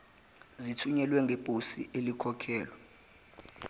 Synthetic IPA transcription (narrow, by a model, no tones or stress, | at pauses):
zitʰuɲɛlwɛŋɡʱepʼusiʔelikʰɔkʰɛːlwɔ